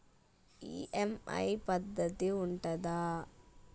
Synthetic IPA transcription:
ḭːʔɛmɐ̰jpɐd̪ːɐt̪iʊɳʈɐd̪aː

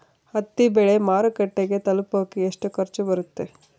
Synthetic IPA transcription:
hɐt̪ːibɛɭemaːɾɐkɐʈːeɡet̪ɐlupaːkieʂʈukʰɐɾt͡ʃubɐɾut̪ːe̞

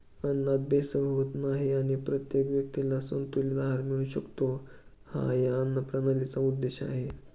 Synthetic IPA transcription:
ənːat̪̚besəbʱəʋət̪naɦiaɽ̃ipɾət̪jekʋjək̚t̪ilasənt̪ulidaɦaɾmiɭuɕəkt̪o | ha̰jaənːəpɾanalit͡saud̪ːeɕa̰ɦe

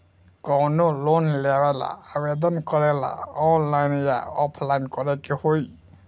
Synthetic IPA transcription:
kɔwnɔlonlɛbɛla̰abed̪ɔnkɔɾɛla̰ɔnlajnja̰ɔpʰlajnkɔɾɛkehoj

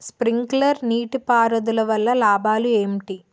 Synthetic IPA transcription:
spɾiŋklɐɾniːʈipaːɾɐd̪ulɐʋɐlːɐlaːbʱaːlueːmʈi

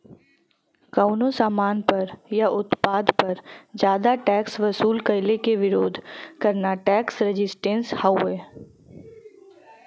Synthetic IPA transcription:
kaʊnosaːmaːnpɐɾjaʔʊt̪paːd̪pɐɾd͡ʒjaːd̪aʈɛːksʋɐsuːlkɐɪlekeʋɪɾoːd̪ʱkɐɾnaʈɛːksɾɪd͡ʒɪsʈẽːnshaʊeː

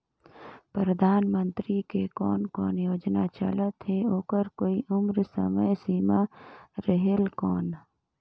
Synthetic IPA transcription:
pɾəd̪ʱaːnmə̃nt̪ɾikekɔːnkɔːnjoːd͡ʒnat͡ʃə̰lət̪ɦeoːkəɾkoːiʊmɾsə̰məjsiːmaɾəɦelkɔːn

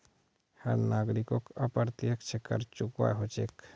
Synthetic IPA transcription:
hə̰ɾnaːɡɾikokəpəɾt̪jəkt͡ʃʰekːə̰ɾt͡ʃʊkwa̰ɦot͡ʃḛk

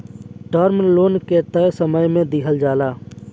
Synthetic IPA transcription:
ʈaːɾmnloːnkɛːt̪aɦɛsəməjmẽd̪ɪɦəld͡ʒaːlaː

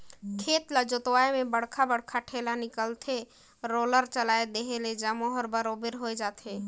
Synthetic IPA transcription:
kʰet̪lad͡ʒot̪waemebəɽ̤kʰabəɽkʰaʈʰelanikəlt̪ʰe | ɾoləɾt͡ʃəlajd̪eɦeled͡ʒəmoɦəɾbəɾobeɾɦojd͡ʒat̪ʰe

